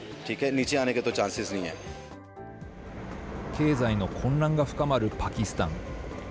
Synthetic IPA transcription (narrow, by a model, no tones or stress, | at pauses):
ʈʰiːkɦɛniːt͡ʃeaːneket̪ot͡ʃãːnsɪznɐɦĩɦɛ̰ː | kʰe̞ːzaino̞kʰõ̞nɾãŋɡaɸɯ̟̥kamaɾɯ̟pakʲisɨ̥t̪ã̰ŋ